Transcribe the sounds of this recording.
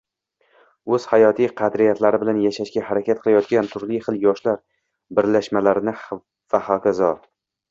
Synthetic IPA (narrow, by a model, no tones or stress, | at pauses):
ɵz̥hajɒt̪ʰijqʰɑd̪ɾɪjat̪ʰlaɾɪbɪlanjaʃaʃkʲahaɾakʲʰat̪̚qʰɨlˠajɒt̪̚ɡʲant̪ʰʊɾlɪjχɨlˠjɒʃlaɾ | bɪɾlaʃmalaɾɪnɪ | vahɒkʲazɒ